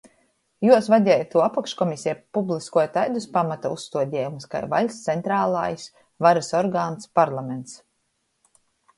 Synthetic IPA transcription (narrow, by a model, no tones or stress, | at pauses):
juɔsvad̪ʲɛːjt̪ːuɔapakʃkɔmisʲijpublˠiskuɔjat̪ajd̪uspamat̪aṵsst̪uɔd̪ʲɛːjumska̰jva̰lʲst̪sent̪ɾaːlˠa̰ːjs | vaɾasɔɾɡaːnspaɾlˠament̪s